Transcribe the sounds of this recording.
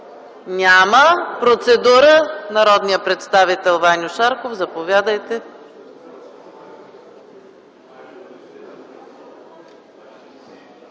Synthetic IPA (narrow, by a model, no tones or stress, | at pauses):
nʲaməpɾot̪sɛd̪uɾənɐɾɔd̪nijəpɾɛt̪st̪avit̪ɛlˠvanʲʊʃaɾkofzɐpovʲjad̪əjt̪ɛ